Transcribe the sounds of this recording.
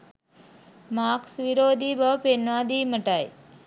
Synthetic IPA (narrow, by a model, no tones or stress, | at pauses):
maːksʋiɾoːd̪ʱiːbɐʋpenʋaːd̪iːməʈaj